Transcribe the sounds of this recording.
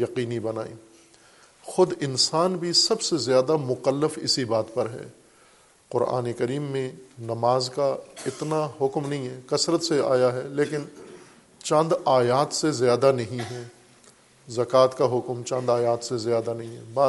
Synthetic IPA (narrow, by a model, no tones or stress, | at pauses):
jɐqiːnibɐnaːḭː | xʊd̪ɪnsaːnbʱisɐbsezjaːd̪amʊkəlːəfɪ̰sibaːt̪pɐɾɦɛ̰ː | qʊɾa̰ːnekɐɾiːmːẽnɐmaːzkaɪt̪naɦʊkmnɐɦĩɦɛːkɐsɾət̪sea̰ːjaɦɛleːkɪn | t͡ʃɐ̃nd̪aːjaːt̪sezjaːd̪anɐɦĩɦɛː | zɐkaːt̪kaɦʊkmt͡ʃɐ̃nd̪aːjaːt̪sezjaːd̪anɐɦĩɦɛbaː